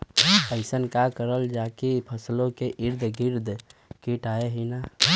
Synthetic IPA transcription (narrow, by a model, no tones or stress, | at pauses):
əɪsənkakəɾəld͡ʒakipʰəslokeʔiɾd̪ʱɡiɾd̪ʱkiʈaeɦəɪna